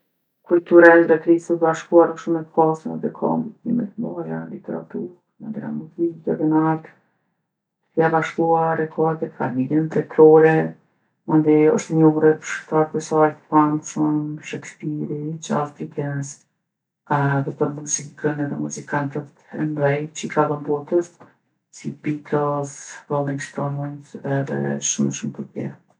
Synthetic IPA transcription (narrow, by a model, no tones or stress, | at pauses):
kult̪uɾaðɛk̪ɾisət̪baʃkuaɾɔʃumɛt̪pasənɛd̪ɛkʰɔ̰mdit̪ɲḭmɛ̰t̪majalit̪ɛɾa̰t̪uɾɾ | nad̪ɾa̰mut̪id͡ʒadɛnalt̪ | kiabaʃkuaɾɛkʰɔɾt̪ɛfamilənt̪ɛt̪ɾɔɾɛ | mund̪iɔʃt̪ɛɲuhuɾɛpə̥ʃəɾt̪aɾt̪ɛsajt̪panʃumʃɛkspiɾit͡ʃa̰st̪ikɛns | ðɛpəɾmuzikənɛðɛmuzikant̪ət̪ɛmɾɛjt͡ʃəikaðɔnbɔt̪əs | sibit̪ʰɔsvɔlˠiŋkst̪ɔmɔnt̪ɛðɛ̰ʃumɛʃumpəɾpjɛ̰ɾ